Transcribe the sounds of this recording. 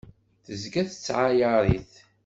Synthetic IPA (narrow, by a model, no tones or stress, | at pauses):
θəzɡæθət͡sːʕajəɾˤiθ